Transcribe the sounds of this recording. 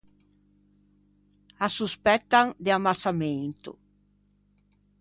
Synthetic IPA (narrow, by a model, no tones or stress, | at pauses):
asuspɛt̪ːaŋd̪ɪamasament̪ʊ̰